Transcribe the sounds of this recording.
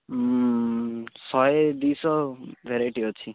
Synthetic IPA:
sʌed̪isʌbʱeɾeʈiɦot͡sʰi

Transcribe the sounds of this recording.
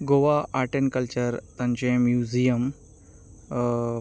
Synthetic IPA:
ɡoʋaaɾʈenkəlt͡ɕəɾt̪ɐ̃ɲt͡ɕẽmjuzijəm

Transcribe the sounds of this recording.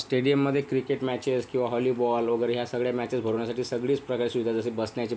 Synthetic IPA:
sʈeɽijəmːəd̪ʱːjekɾikeʈmæt͡ɕeskĩw̃ʋaɦɔliːbɔlʋəɡəɾɦjasəɡɭjamæt͡ɕesbʱəɾoʋɳjasaʈiːsəɡɭiːt͡spɾəkaɾsuʋid̪ʱad͡zəsebəsɳjat͡ɕi

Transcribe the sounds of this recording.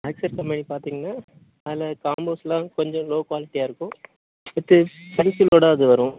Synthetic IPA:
ɐɪksɐɾkɐmpɐnipaːɾt̪iːŋɡɐnːaː | ɐðɪlɐkaːmboːslãːkɔɲd͡ʒɔ̃loːkʋaːlɪʈːijaːɪɾɯkːʊ̃ | ɪt̪ːɯpɛnsɪloːɽɐɐðɯʋɐɾʊ̃

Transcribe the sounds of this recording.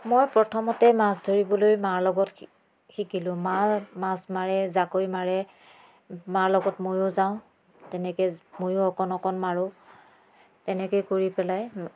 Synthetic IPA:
mojpɹɔtʰɔmɔtɛmas̬dʱoɹibɔlojmaɹlɔɡɔt | xikilʊ̃mamasmaɹɛzakojmaɹɛ | maɹlɔɡɔtmojʊzaʊ̃ | tɛnɛkomojʊɔkɔnɔkɔnmaɹʊ | tɛnɛkojkoɹipɛlaj

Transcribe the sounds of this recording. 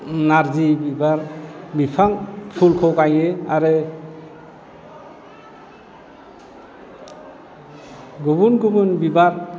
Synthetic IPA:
naɾzibibaɾbipʰaŋpʰulkʰɔkajeaɾɯ | ɡubunɡumɯnbibaɾ

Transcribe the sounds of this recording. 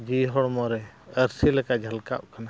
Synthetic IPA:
d͡ʒiɦɔɽmɔɾɛ | əɾsilɛkaʔd͡ʒʱəlka̰ʔkana

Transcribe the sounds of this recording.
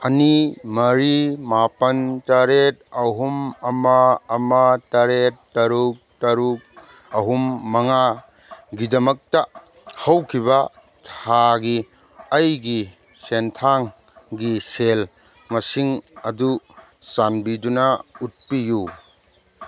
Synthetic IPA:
ɐnimɐɾimapɐntɐɾet̚ɐɦumɐmɐːmɐtɐɾetːɐɾuk̚tɐɾuk̚ | ɐɦumːɐŋa | ɡidɐmɐk̚tɐ | hɐwkʰibɐ | tʰaɡi | ɐjɡi | sentʰaŋ | ɡisel | mɐsiŋɐdu | sanbidunɐut̚piju

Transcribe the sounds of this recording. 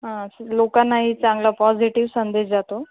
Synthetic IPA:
ɦãslokanːaɦit͡sãŋɡlapɔd͡ziʈiʋsənd̪ed͡ʑd͡zat̪o

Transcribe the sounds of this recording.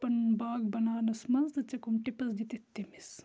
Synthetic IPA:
pɐnbaːɡbɐnaːnɐsmɐnzd̪ɐt͡ʃɐkomʈipɐsd͡ʒit̪it̪ːimis

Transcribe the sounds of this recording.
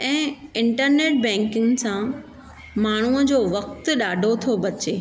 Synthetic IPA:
ɛ̃ːɪ̃ɳʈəɾneːʈ̚bɛ̃ːŋkɪ̃ŋɡsã | maːɳ̤uəd͡ʑoːʋɐk̚t̪̆ɗaːɖʱot̪ʰobɐt͡ɕeː

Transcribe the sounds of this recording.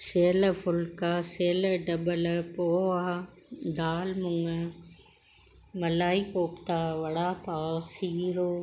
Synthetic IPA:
seːləfʊlkaseːləɖɐbələpoːa | d̪aːlmʊŋə | mɐlaːikoːpt̪aːʋɐɽaːpaːsiːɾoː

